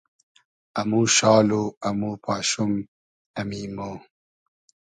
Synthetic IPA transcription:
ɐmuːʃɑːloɐmuːpaːɕum | ɐmimo

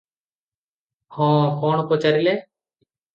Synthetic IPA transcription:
hõːkoːɳkoːt͡ʃəɾileː

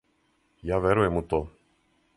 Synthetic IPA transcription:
jaːʋʲeɾujɛmut̪oː

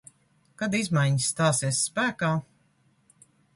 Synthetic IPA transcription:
kad̪izmajɲisːt̪aːsiɛsspæːkaː

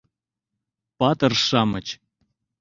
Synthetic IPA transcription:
pɑt̪ɤrʃɑmət͡ɕ

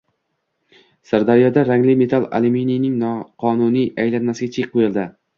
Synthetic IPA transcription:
saɾd̪aɾijɒd̪aɾaŋlɪme̞t̪ʰalˠa̰lɪminijnɪŋnɒqʰɒnunijajlanːasɪɡʲat͡ʃʰeqʰːojɪlˠd̪ɪ

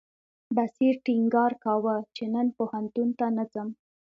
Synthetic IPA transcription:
basiɾʈiŋɡɑɾkawət͡ʃenənpohant̪unt̪anət͡səm

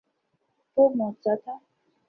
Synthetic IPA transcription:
pomɔ̃t͡sɔt̪a

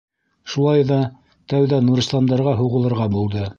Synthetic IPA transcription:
ʃulˠɑjðɑ | t̪æwðænuɾɤ̆st̪ˠɑnd̪ɑɾʁɑɦuʁɤ̆lˠɤ̆ɾʁɑbulˠd̪ɤ

